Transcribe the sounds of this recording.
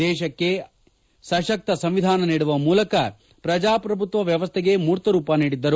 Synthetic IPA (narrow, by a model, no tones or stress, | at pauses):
ɛːʃɐkːe̞ | sɐʃɐk̚t̪ɐsɐmʋid̪ʱaːnɐniːɽuʋɐmuːlɐkɐ | pɾɐd͡ʒaːpɾɐbʱut̪ʋɐʋjɐʋɐst̪ʰɛɡe̞muːɾt̪ɐɾuːpaniːɽid̪ːɐɾu